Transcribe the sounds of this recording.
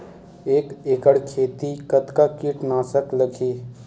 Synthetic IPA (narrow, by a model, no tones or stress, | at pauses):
eːkeːkəɽkʰeːt̪ikət̪kakɪʈnaːsəkləkʰeː